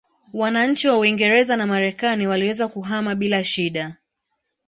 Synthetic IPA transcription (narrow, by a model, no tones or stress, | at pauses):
wanaɲ̩t͡ʃiwauiŋɡɛɾɛzanamaɾɛkaniwaliwɛzakuɦamaɓilaʃiɗa